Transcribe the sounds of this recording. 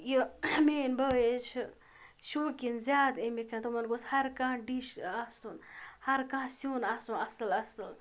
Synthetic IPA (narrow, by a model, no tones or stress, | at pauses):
jimeːnbɐet͡ʃʰi | ʃuːkinzʲjaːd̪emikʰɐnt̪omɐnɡoshɐɾkãːɖiːʃaːst̪unhɐɾkãːsuːnaːst̪ũnɐsɐlɐsɨl